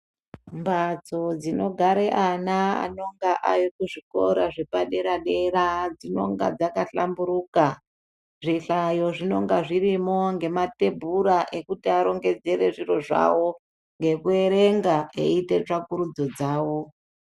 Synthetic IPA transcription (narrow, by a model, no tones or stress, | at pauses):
mbat͡so̞d͡zino̞ɡʱaɾeʔanaa̰no̞ŋɡaʔajokuʐiko̞̰ɾaʐepaɗe̞ɾaɗeɾad͡zino̞̰ŋɡa̰d͡zakaɬambuɾuːka | ʐiɬajo̞ʐino̞ŋɡaʐirimo̞ŋɡe̞mate̞bʱuɾaʔe̞kutiaɾo̞ŋɡe̞d͡ze̞ɾe̞ʐiɾo̞ʐa̰wo̞ | ŋɡe̞kue̞ɾe̞ŋɡaḛite̞t͡ʂakuɾud͡zo̞d͡zaːwo̞